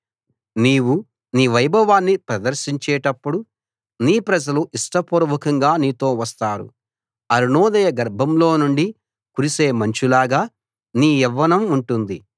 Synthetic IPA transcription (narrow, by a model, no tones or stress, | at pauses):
niːwu | niːʋɐjbʱɐʋaːnːipɾɐd̪ɐɾʃiɲt͡ʃɛːʈɐpːuɽu | niːpɾɐd͡ʒɐluʔiʂʈɐpuɾɐʋɐkɐŋɡaːniːt̪o̞ːʋɐst̪aːɾṵ | ɐɾuɳɔːd̪ɐjɐɡɐɾbʱɐmlo̞ːnuɳɖi | kuɾise̞ːmɐɲt͡ʃulaːɡaː | niːɛʋːɐnɐmuɳʈund̪i